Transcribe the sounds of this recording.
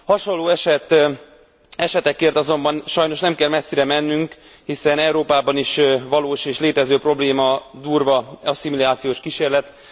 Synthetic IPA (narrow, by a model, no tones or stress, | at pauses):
hɒʃolːoːɛʃɛt̪ | ɛʃɛt̪ɛkːeːrt̪ɒzo̞mbɒnʃɒjno̞ʃnɛmkɛlmɛsːiɾɛmɛnːyŋk | hisɛnɛuɾoːpaːbɒniʃvɒloːʃeːʃleːt̪ɛzøːpro̞bleːmɒd̪uːrvɒɒsimiliaːt̪sijoːʃkiʃeːrlɛt̪